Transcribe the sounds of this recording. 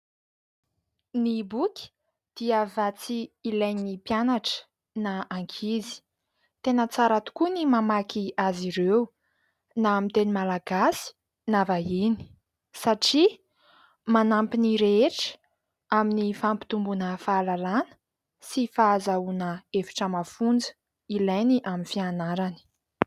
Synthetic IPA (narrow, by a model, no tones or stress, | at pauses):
nibukʲi̥ | d̪̥iəvat͡siːlajnipjanaʈ͡ʂə̥ | naaŋkʰizi̥ | t̪enət͡saɾat̪u̥kunimamakiaziɾew | naamint̪enimalaɡasi̥ | navaini̥ | saʈ͡ʂi | manampiniɾeeʈ͡ʂə̥ | aminifampi̥t̪umbunəfaːlalanə̥ | sifaːzaunəefi̥ʈ͡ʂəmafund͡zə̥ | ilajniʔaminfianaɾani̥